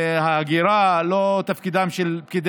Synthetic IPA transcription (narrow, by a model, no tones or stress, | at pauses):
haːɡiɾalot̪afkid̪amʃelp̚kid̪